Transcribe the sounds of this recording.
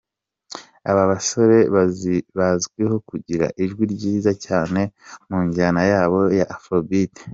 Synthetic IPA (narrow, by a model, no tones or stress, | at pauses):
a̰βaβaso̞ɾe̞βaziβazɡweɦo̞kuɟiɾa̰ʔiʒɡwiɾɟiːzacaːne̞muːɲɟanajaːβo̞jaʔːfobite̥